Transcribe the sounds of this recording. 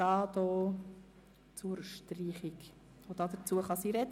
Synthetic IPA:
ɑːd̪oː | t͡suɾʃtriːχik | od̪ɑd̪ət͡suəχɑsiːɾɛd

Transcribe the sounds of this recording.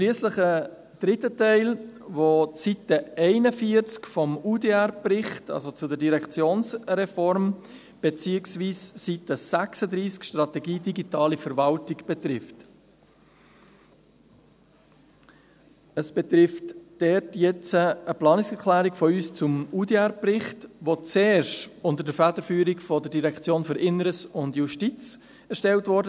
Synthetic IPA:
ʃliːəsləχə | d̥ɾɪtːətɛɪlʋot͡sitəɛɪnəfiəɾt͡skfɔmudeærpɾɪχtɑ̰lzot͡sʊdəɾdiɾɛkt͡sjoːnsɾɛfɔɾm | b̥et͡siːəksviːssitəsæksəd̪ɾiːskʃtrɑt̪ɛɡiːdiɡitɑːlifəɾvɑltiɡb̥ɛt̪ɾɪft | əsb̥ɛt̪ɾɪftd̥ɛtjɛt͡səəplɑːnɪksɛɾkʰlæːɾikfɔyːst͡sʊmudiæɾprɪχtʋot͡sɛːʃtʊntəɾdəɾfædəɾfyːɾikfɔdəɾdiɾɛkt͡sjoːnfʏɾɪnəɾəsʊndjuʃtit͡s | ɛɾʃtɛltʋɔɾdə

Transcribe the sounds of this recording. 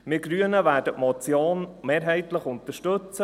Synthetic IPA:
mɪɡ̥ɾyənəʋæːɾdətmɔt͡sjoːnmeːɾɦɛɪt̪ləχʊnt̪əʃtɵt͡sə

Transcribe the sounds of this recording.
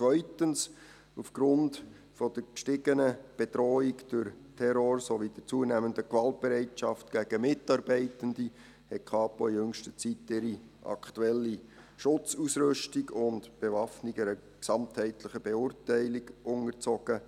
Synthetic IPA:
t͡svœʏtəns | ufɡ̥ɾʊnd | fɔd̥əɾkʃtɪɡənəb̥edɾɔːikd̥ʊɾtʰɛɾoɾsoʋid̥ɪt͡suənæːməndəkʋɑlt̚b̥ɛɾɛɪtʃɑftɡ̥æɡ̥əmɪtɑɾbɛɪtəndi | hɛtkʰɑːpoijɵŋʃtət͡sitːɪɾi | ʔɑ̰kʰtuɛlːi | ʃʊt͡susɾʏʃtiɡʊndb̥evɑfnɪɡɛɾə | ksɑmthɛɪtlɪχəb̥eʊːrtæɪlɪɡʔʊŋəɾt͡sɔɡ̥ə

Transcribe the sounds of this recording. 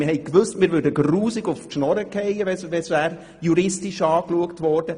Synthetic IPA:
ɪhɛɪkʋøstmɪːɾvʏːdəɡruːsɪɡʊftʃnɔɾəkʰɛɪəʋɛsʋɛsæːɾ | juɾɪstiʃɑːkluəktʋɔɾd̥ə

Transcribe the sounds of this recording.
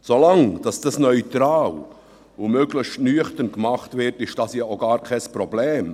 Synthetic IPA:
solɑŋd̥ɑsd̥ɑsnœʏtɾɑːl | umøɡlɪʃtnyəχtənkmɑχtvɪɾtɪʃd̥ɑsjaʔoɡɑːɾkʰɛspɾɔblɛːm

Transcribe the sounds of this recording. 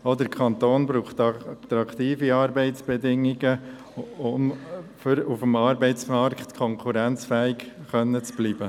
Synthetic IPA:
od̪əɾkʰχɑnt̪oːnbɾuːχt̪ɑt̪ɾɑkt̪iːfiɑːɾbɛɪtt͡sb̥ɛdɪŋiɡə | ʊmfʏɾufmɑːɾbɛɪt͡smɑɾkχt̪kʰɔŋkʰuɾænt͡sfɛːikχœnːət͡sb̥liːbə

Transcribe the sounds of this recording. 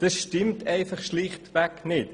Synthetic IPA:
d̥əsʃtɪmtɛɪfɐχʃlɪχtvæknɪt

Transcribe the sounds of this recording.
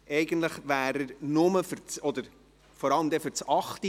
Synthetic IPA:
ʔɛɪɡ̥ən̩t̪ləχʋæːɾəɾnʊməfʏɾt͡sɔd̪əɾ | fɔɾɑləmd̪ɛfʏɾt͡sɑχt̪i

